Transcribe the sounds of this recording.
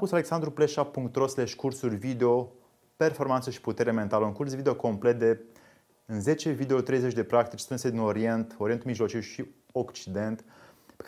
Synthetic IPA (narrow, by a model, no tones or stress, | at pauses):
pusale̞ksand̪ɾupleʃapːuŋkt̪ɾo̞sle̞ʃkursurʲvid̪eo̞ | pe̞rfo̞rmant̪səʃi̥put̪e̞ɾement̪aləuŋkursvid̪eo̞ko̞mple̞t̪̚d̪e̞ | ɨnze̞t͡ʃe̞vid̪eo̞t̪ɾejze̞t͡ʃʲd̪e̞pɾakt̪it͡ʃʲst̪ɾɨnsed̪ino̞ɾie̞nt̪o̞ɾient̪umiʒlo̞t͡ʃiwʃi | o̞kt͡ʃid̪e̞nt̪pe